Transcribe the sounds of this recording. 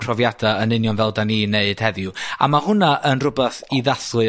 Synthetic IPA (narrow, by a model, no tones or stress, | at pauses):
pʰrɔvjadaənɨnjɔnvɛlˠdaniːneɨd̥hɛðjʊa̰mahʊnaʔənrʊbɛθiðaθʊɨ